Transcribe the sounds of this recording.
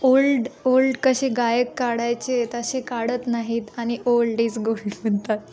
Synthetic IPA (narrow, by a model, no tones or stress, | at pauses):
olɖolɖkəɕeɡajəkːaɽajt͡ɕet̪əɕekaɽət̪naɦiːt̪aɽ̃iʔolɖiːt͡sɡolɖʋənt̪at̪